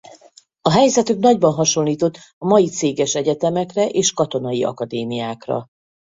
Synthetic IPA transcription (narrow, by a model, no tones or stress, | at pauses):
ɒɦɛjzɛt̪yknɒɟbɒnɦɒʃo̞lliːt̪o̞t̪ː | ɒmɒjit̪seːɡɛʃɛɟɛt̪ɛmɛkrɛʔeːʃkɒt̪o̞nɒjiɒ̰kɒd̪eːmijaːkrɒ̰